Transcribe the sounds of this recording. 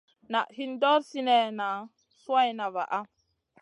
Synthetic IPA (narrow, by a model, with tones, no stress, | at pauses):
na˨ʔhi˦ndɔ˦ɾsi˦ne˨na˨ | su˦a˦jna˨va̰˨ʔa˦